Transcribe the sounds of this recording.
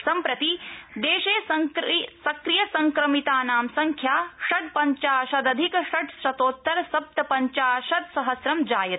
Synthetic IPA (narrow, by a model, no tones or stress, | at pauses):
sɐmpɾɐt̪id̪eːʃeːsɐsɐkɾijɐsɐŋkɾɐmit̪aːnaːmsɐŋkʰjaːʃɐʈ̚pɐɲt͡ʃaːʃɐd̪ɐd̪ʱikʃɐʈsɾɐt̪oːt̪ːɐɾsɐp̚t̪ɐpɐɲt͡ʃaːʃɐd̪sɐɦɐsɾɐmd͡ʒaːjɐt̪